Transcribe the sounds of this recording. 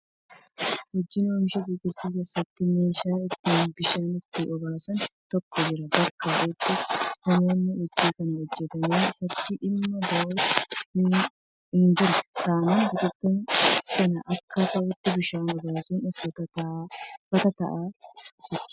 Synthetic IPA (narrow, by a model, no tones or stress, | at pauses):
hɔd͡ʒːɪnoːmʃɐɡiːkɪt̪ukeːsːɐt̪ːɪme̞ːʃaːɪt̪ːɪnbɪʃaːnɪt̪ːɪʔɔɡaːsɐnt̪ɔkːɔd͡ʒɪɾɐbɐkʰːaːʔɪt̪ːɪkʊnɐnːɐhɔd͡ʒːiːkɐnwɔd͡ʒːɛt̪ɐneːɪsɐt̪ːɪʔɪmːɐɡɐʔoːɪ | ɪnd͡ʒɪɾɛt̪aːnɐnbɪt̪ʊbːɐnsɐnɐʔɐkʰːɐt̪ɐʔʊt̪ːɪbɪʃaːnɔɡaːsʊnʊfɐ | fɐt̪ɐt̪ɐʔaːd͡ʒɛt͡ʃːʊ